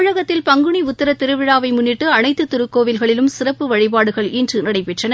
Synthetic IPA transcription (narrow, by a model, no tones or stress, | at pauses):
ɻɐɣɐt̪ːɪlpɐŋɡɯɳiʊt̪ːɐɾɐt̪ːɪɾɯʋɪɻaːʋɐɪmʊnːɪʈːɯɐnɐɪt̪ːɯt̪ːʊɾɯkːoːʋɪlɣɐɭɪlɯmsɪrɐpːɯʋɐɻɪpaːɽɯɣɐɭindrɯnɐɽɐɪpɛʈrɐnɐ